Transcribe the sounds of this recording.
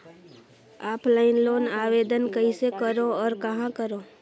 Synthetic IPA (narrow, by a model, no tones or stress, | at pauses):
aːpʰlaːɪnloːnaːʋeːd̪ənkəɦisekəɾoɔːɾkɐɦãkəɾoː